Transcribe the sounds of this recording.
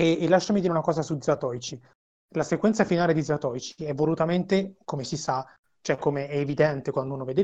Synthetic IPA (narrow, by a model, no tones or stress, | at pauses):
eːlːaʃːamid̪iɾeunakɔːzasud̪zat̪ɔjt͡ʃi | lasekwɛnt̪safinaːled̪id̪zat̪ɔjt͡ʃiɛvːolut̪ament̪ekomesisa | t͡ʃoɛkːomeɛːvid̪ɛnt̪ekwand̪unoved̪e